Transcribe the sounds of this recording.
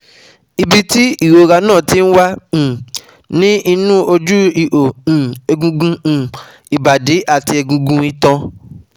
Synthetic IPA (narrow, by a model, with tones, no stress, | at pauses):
i˧bi˧ti˦i˦˨wo˨˧ɾa˧nãː˦˨ti˦n̩˦wã˦˨ | nĩ˦i˧nũ˦o˧d͡ʒu˦i˨ʔõ˨ɛ˧ɡũ˧ɡũ˧˨ | i˨ba˨de˨˦ʔa˦˨ti˧ɛ˧ɡũ˧ɡũ˧i˧tã˧